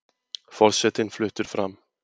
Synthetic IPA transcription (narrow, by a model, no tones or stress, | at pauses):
fɔɾʂɛt̪ːɪŋflʏt̪ːəɾfɾamː